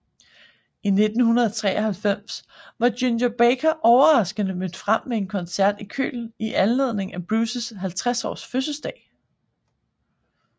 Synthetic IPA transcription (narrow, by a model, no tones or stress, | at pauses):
ine̝d̥n̩hunɐð̞ˠɐt͡sʰʁɛ̰ːɐhælfem̰s | ʋɑ̈d̥jynjəb̥ekʰɐʔɒʊɐʁɑ̈sɡ̥ənəmød̥fʁam̰mee̝nkʰɒ̽nsæɐd̥ikʰø̰ːln̩iʔænle̝ð̰ˠne̝ŋæb̥ʁuːsəsɦælt͡sʰʁasɒ̰ːsføs̬əsd̥ɛ̰ːɪ